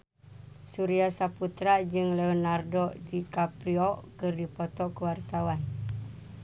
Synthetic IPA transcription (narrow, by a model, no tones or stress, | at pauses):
suɾiasaput̪ɾad͡ʒɨŋleɔnardɔdikapɾiɔʔkərdipot̪ɔʔkəwart̪awan